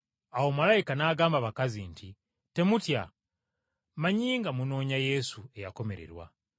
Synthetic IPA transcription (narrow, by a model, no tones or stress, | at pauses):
awo̞malaikanaːɡaːmbaβakazinti | te̞mutja̰ | maɲiːŋɡamuno̞ːɲaje̞sue̞jako̞me̞ɾe̞̰ɾwa̰